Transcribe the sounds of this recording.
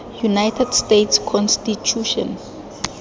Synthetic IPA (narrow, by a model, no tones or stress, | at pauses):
junajtʰɛdstetʰskʰɔnstit͡ʃʰuʃɔ̰̃n